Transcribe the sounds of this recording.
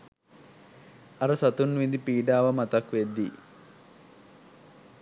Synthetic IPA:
ɐɾəsɐt̪unʋid̪ipiːɖaːʋɐmɐt̪ɐkʋed̪ːi

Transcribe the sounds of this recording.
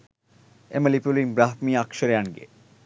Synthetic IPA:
emelipulimbɾaɦmiakʃəɾeaɳɡḛ

